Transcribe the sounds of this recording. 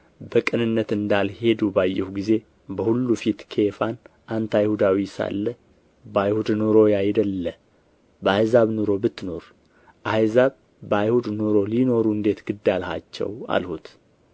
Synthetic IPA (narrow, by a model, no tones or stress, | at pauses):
bəkʼɨnɨnːət̪ɨnd̪alhe̞d̪ubajːɛhuɡize̞ | bəhulːufit̪kʰe̞fan | ʔant̪ajhud̪awisa̰lːə | bajhud̪noɾo̞jajd̪əlːə | bəajzaβnoɾo̞bɨt̪ːno̞ɾ | ʔajzaβ | bajhud̪noɾo̞lino̞ɾuɨnd̪e̞t̪ɡɨd̪ːalha̰t͡ʃːɛ̰wa̰lhut̪